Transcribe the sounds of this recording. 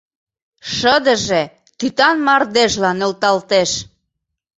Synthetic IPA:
ʃəd̪əʒe | t̪yt̪ɑnmɑrd̪eʃlɑnølt̪ɑlt̪eʃ

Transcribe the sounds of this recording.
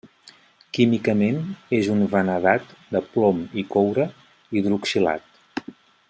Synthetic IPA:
kimikəmenezunvənəðat̪d̪əplɔmikɔwɾə | iðɾuksila̰t̪

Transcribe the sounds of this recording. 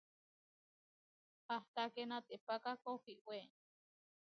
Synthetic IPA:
haht̪akenat̪epakakohiʔwe

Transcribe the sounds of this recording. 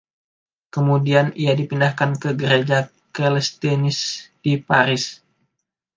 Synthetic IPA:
kəmudianiadipindahkankəɡəɾed͡ʒa | kɛlɛst̪enɪsd̥ipaɾɪs

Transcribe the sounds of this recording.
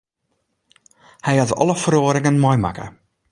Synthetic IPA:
hɛjɑtɔ̰ləfəroːɾɪŋənmɔjma̰kə̰

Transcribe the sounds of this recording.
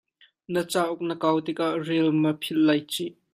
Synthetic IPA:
nət͡saːʔʊk̚nəkɐwt̪ɪk̚ʔaʔrɛlməpʰɪl̚lːɐjt͡siʔ

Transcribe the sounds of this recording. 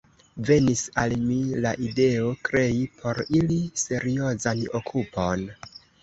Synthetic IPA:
ve̞nisalmilaʔide̞o̞kɾe̞ipʰo̞ɾilise̞ɾio̞zano̞̰kʰupo̞n

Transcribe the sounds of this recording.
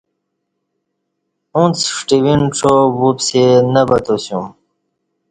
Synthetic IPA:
ũnt͡sʂʈiwinʈ͡ʂʰobupsenəbət̪osjũ

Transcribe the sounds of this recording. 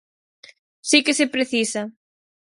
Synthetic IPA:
sikesepɾeθisɐ

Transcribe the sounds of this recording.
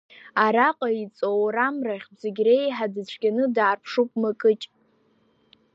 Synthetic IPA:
aɾaqʼait͡sʼowɾamraχʲzeɡʲrejħadɨt͡ɕʷʰɡʲanɨdaːrpʰʂupʼmakʼɨt͡ʃʼ

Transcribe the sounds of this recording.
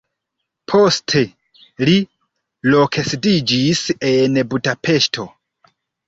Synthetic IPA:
pʰo̞stʰe̞ | li | lokʰesdid͡ʒise̞nbudapʰe̞ʃtʰo̞

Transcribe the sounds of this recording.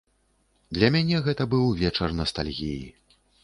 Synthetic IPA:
d̪lʲɐmʲanʲɛɣɛt̪ɐbɨwvʲɛt͡ʂɐrnɐst̪alʲɣʲijḭ

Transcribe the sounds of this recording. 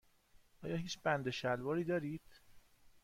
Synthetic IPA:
ʔɒːjɒːhiːt͡ʃbænd̪eʃælvɒːɾiːd̪ɒːɾiːd̪̥

